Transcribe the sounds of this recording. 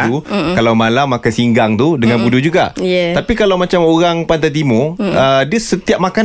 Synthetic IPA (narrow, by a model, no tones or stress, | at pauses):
ukalawmalamːakansiŋɡaŋt̪udəŋãnbudud͡ʒuɡajɛt̪apikalawmat͡ʃamoɾaŋpant̪ət̪̬imʊədiəsət̪iap̚maka